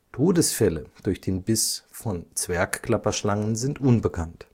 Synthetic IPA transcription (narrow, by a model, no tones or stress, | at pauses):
tʰoːdəsfɛləd̥ʊɐçd̥eːnbɪsfɔnt͡sv̥ɛɐkkl̥apɐʃlaŋənzɪntʔʊnbəkʰant